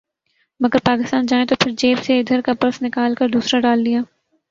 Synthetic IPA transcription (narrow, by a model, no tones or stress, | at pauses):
mɐɡəɾpaːkɪst̪aːnd͡ʒaːẽt̪opʰɪɾd͡ʒeːpseɪd̪ʱəɾkapɐɾsnɪkaːlkɐɾd̪uːsɾaɖaːldijaː